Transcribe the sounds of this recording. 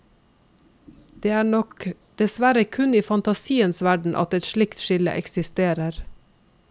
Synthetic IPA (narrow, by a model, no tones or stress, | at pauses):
d̪̥eːæːɳɔk | d̪̥ɛsʋæɾəkʰʉniːfɑnt̪ɑsiːənsʋæɖɳ̩ʔɑ̰t̪ɛt̪ʃlɪkt̪ʃɪlə̰ʔɛ̰ksɪst̪eːɾəɾ